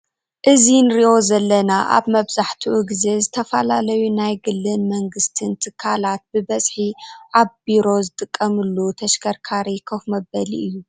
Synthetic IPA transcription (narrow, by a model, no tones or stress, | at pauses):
ʔɨzinɨɾiʔo̞zɐlːɐnaʔa̰βmɐβzaħt̪ʰiʔuɡize̞zɨt̪ʰɐfɐlalɐjunajɡɨlːɨnmɐŋɡɨst̪ʰɨnt̪ʰɨkʰːalat̪̚bɨbɐsʼħiʕaβbiɾo̞zɨt̪ʼɨkʼːɐmɨlːut̪ʰɐʃkʰɐɾkʰaɾikʰɐxmɐbɐlḭʔɨjːu